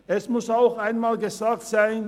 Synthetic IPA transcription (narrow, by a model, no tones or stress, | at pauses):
ɛsmʊsaʊxʔaɪnmaːlɡəzaːk̚tz̥aɪn